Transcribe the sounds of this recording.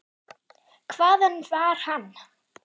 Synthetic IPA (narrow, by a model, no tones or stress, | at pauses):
kʰvaːðənvaːɾ̥han